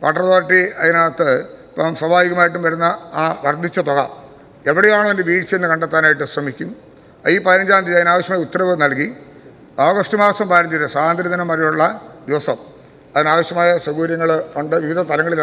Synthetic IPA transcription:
pɐʈɐrt̪oːɾiʈːiɐðinaːt̪ːɨpːsɐbʱaːjiɣɐmaːjiʈ̬ːumʋɐɾunːɐːʋɐrd̪ʱit͡ɕːɐt̪oɣɐ | e̞ʋiɽejaːɳoendeʋiːʈt͡ɕɐenːɨkɐɳɖet̪ːaːnaːjiʈ̬ːɨɕrɐmikʲːum | iːpɐðiɾɐnd͡ʑaːnd̪iɐðinaːʋɐɕjɐmaːjɐut̪ːɐɾɐʋɨnɐlki | oːɣɐsʈumaːɐsɐmbaːɾɐɲd͡ʑɐɾɨsaːnd̪ɾiðɐnɐmːɐɾɐjuɭːɐd̪iʋɐsɐm | ɐðinaːʋɐɕjɐmaːjɐswɐɣuːɾjɐŋːɐɭkɐɳɖɨʋiʋid̪ʱɐst̪ɐlɐŋːɐɭil

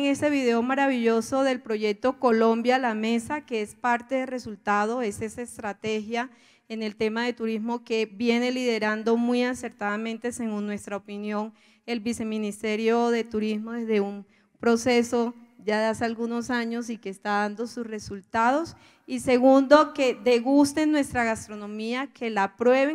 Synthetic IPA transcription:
ŋe̞st̪e̞βiðe̞o̞maɾaβiʝo̞so̞ðe̞lpɾo̞ʝe̞k̚t̪o̞ko̞lõ̞mbjalame̞sakeespaɾt̪e̞ðe̞lre̞sult̪að̞o̞e̞sesaest̪ɾat̪e̞xja | ene̞lt̪e̞maðe̞t̪uɾizmo̞ke̞βje̞ne̞liðe̞ɾand̪o̞mwuiase̞ɾt̪aðamẽ̞nt̪e̞se̞ɣunːwe̞st̪ɾaopinjo̞ŋ | e̞lbise̞mĩnist̪e̞ɾjo̞ðe̞t̪uɾizmo̞ðe̞zðe̞um | pɾo̞se̞so̞d͡ʒaðeasealɣuno̞saɲo̞sike̞ːst̪aðand̪o̞susre̞sult̪að̞o̞s | ise̞ɣund̪o̞ke̞d̪e̞ɣust̪e̞nːwe̞st̪ɾaɣast̪ɾo̞no̞miakʰe̞lapɾwe̞βe

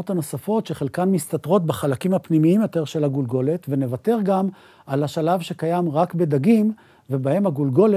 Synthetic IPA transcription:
ot̪ano̞safo̞tʃe̞χelkanmist̪at̪ʁo̞t̪̚baχalakimhapnimiimjo̞t̪e̞ʁʃe̞lhaɡulɡo̞le̞tvene̞vat̪e̞ʁɡam | alaʃalavʃe̞kajamʁakbe̞d̪aɡim | ve̞bahe̞mhaɡulɡo̞le

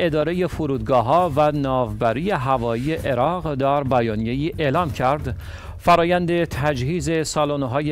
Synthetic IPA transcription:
e̞d̪ɒːɾeje̞foɾuːd̪̚ɡɒːɦɒːvænɒːvbæɾiːje̞ɦævɒːije̞ʔeɾɒːʁd̪æɾbæjɒːnije̞jiːʔe̞lɒːmcʰæɾd̪ | fæɾɒːjænd̪e̞t̪ʰæd͡ʒhiːze̞sɒːloneɦɒːje

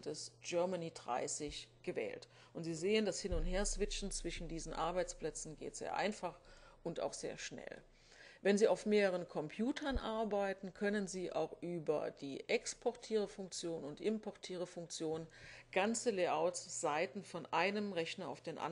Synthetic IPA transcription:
dɛsʒ̥œɐmaniːdʁa̰ɪsɪçɡ̥əvɛ̰ːlt | ʔʊntz̥iːzeːəndashɪnʊntheːɐsv̥ɪt͡ʃn̩t͡sv̥ɪʃn̩diːzn̩ʔaɐbaɪt͡spl̥ɛt͡sn̩ɡḛːtz̥ḛːɐʔa̰ɪnfaχʔʊnta̰ʊxz̥ḛːɐʃnɛ̰l | vɛnziːaʊfmeːʁəʁ̞ənkʰɔmpʰjuːtʰɐnʔaɐbaɪtn̩kʰœnənziːʔa̰ʊxʔyːbɐ̰d̥iːʔɛkspʰɔɐtʰiːʁ̞əfʊŋk̚t͡sjoːnʊntʔɪmpʰɔɐtʰiːʁ̞əfʊŋk̚t͡sjoːnənɡ̥ant͡səleːʔaʊtsz̥aɪtn̩fɔnʔaɪnəmʁɛçnɐa̰ʊfd̥eːnʔa̰

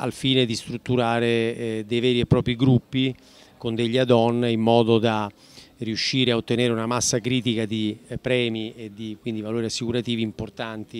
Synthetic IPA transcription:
a̰lfiːned̪ist̪ɾut̪ːuɾaːɾed̪ejvɛːɾiepːɾɔːpɾiɡɾupːi | kond̪eʎːad̪ɔnːeimːɔːd̪od̪a | riuʃːiːɾeaot̪ːeneːɾeunamasːakɾiːt̪ikad̪ipɾɛːmied̪ikwind̪ivaloːɾiasːikuɾat̪iːviːmport̪ant̪i

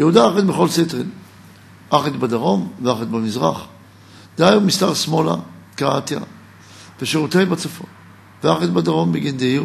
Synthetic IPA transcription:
jeud̪aaχet̪beχo̞lset̪ʁin | ʔaχet̪bad̪aʁo̞mveaχet̪bamizʁa̰χ | d̪ajumist̪aʁsmo̞la̰kaat̪ja̰ | veʃeʁut̪ejbat͡safo | veaχet̪̚bad̪aʁo̞mbeɡind̪eiʁ

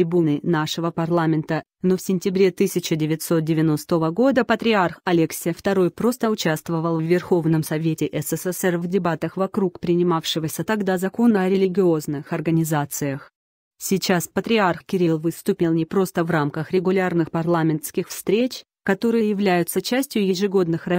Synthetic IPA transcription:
ɾʲɪbunɨnaʂɨvəpɐrlˠamʲɪnt̪ə | nofsʲɪnʲtʲɪbɾʲet̪ɨsʲɪt͡ɕɪdʲɪvʲɪtʲso̞t̪̚dʲɪvʲɪno̞st̪əvəɡo̞d̪əpət̪ɾʲɪarxɐlʲɪksʲɪjəft̪ɐɾo̞jpɾo̞st̪əʊt͡ɕast̪vəvəlˠvːʲɪrxo̞vnəmsɐvʲetʲɪʔɛsɛsɛsɛrvdʲɪbat̪əxvɐkɾukpɾʲɪnʲɪmafʂɨvəsʲət̪ɐɡd̪azɐko̞nəɐɾʲɪlʲɪɡʲɪo̞znɨxɐrɡənʲɪzat̪sɨjəx | sʲɪt͡ɕaspət̪ɾʲɪarxkʲɪɾʲilˠvɨst̪ʊpʲɪlˠnʲɪpɾo̞st̪əvramkəxɾʲɪɡʊlʲarnɨxpɐrlˠamʲɪnt̪skʲɪxfst̪ɾʲet͡ɕ | kɐt̪o̞ɾɨjəjɪvlʲæjʊt̪sət͡ɕæsʲtʲjʊjɪʐɨɡo̞d̪nɨxrɐ

